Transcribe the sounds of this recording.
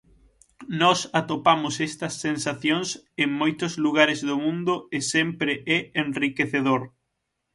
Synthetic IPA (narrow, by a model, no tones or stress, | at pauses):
nɔsat̪opamʊsɛst̪ɐsːensaθjoŋseŋmojt̪ʊzluɣ̞aɾɪzðʊmũnd̪ʊɪsɛmpɾeʔɛenrikeθeðoɾ